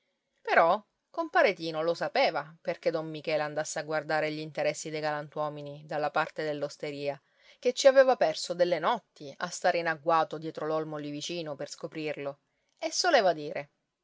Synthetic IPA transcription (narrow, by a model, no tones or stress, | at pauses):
peɾɔ | kompaɾet̪iːnolosapeːvaperked̪omːikɛːleand̪asːeaɡward̪aːɾeʎint̪eɾɛsːid̪ejɡalant̪wɔːminid̪alːapart̪ed̪elːost̪eɾiːa | k̟et͡ʃːiaveːvapɛrsod̪elːenɔt̪ːia̰st̪aːɾeinaɡwaːt̪od̪jɛːt̪ɾolɔlmolivit͡ʃiːnoperskopɾirlo | esːoleːvad̪iːɾʔe